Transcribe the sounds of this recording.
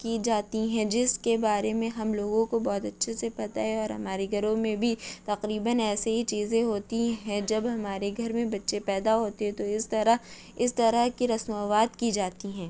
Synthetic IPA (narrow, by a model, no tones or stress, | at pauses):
kid͡ʒaːt̪iɦɛ̃d͡ʒɪskebaːɾemẽɦɐmloːɡõkobɔːt̪ɐtːʃʰesepɐt̪aɦɛɔːɾɦɐmaːɾeɡʱɐɾõmẽbʱit̪ɐqɾiːbənɛːseɦit͡ʃiːzẽɦoːt̪iɦɛ̃d͡ʒɐbɦɐmaːɾeɡʱɐɾmẽbɐtːʃepɛːd̪aɦoːt̪eɦɛ̃t̪oɪst̪ɐɾa | ɪst̪ɐɾakiɾɐsmaːʋaːd̪kid͡ʒaːt̪iɦɛ̃ː